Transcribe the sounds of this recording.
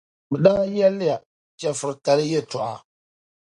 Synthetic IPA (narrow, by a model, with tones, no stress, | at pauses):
bɛ˨daː˦jɛ˦lːɪ˦ja˨ | t͡ʃɛ˨fɨ˨ɾɨ˨ka˨lɨ˦jɛ˦tɔ˨ʔa̰˨